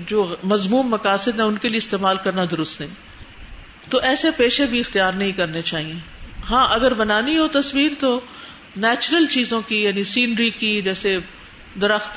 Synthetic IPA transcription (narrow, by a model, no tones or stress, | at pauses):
d͡ʒoːmɐzmuːmːɐkaːsɪd̪ɦɛ̃ʊnkelieɪst̪eːmaːlkɐɾnad̪ʊɾʊst̪ɐĩː | t̪oʔɛːsepeːʃebʱiɪxt̪ijaːɾnɐɦĩkɐɾnet͡ʃaːɦiẽːɦãːʔɐɡəɾbɐnaːniɦot̪ɐswiːɾt̪o | nɛːt͡ʃɾəlt͡ʃiːzõkijaːnĩsiːnɾikid͡ʒɛːse | d̪ɐɾəxt̪